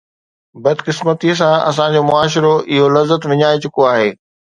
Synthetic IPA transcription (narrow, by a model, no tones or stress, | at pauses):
bɐd̪ʱkɪsmət̪is̬ãɐ̰sãd͡ʑoːmʊaːʃ̬ɾoʔɪɦolɐzːət̪ʋɪɲaːet͡ɕʊkoaːɦeː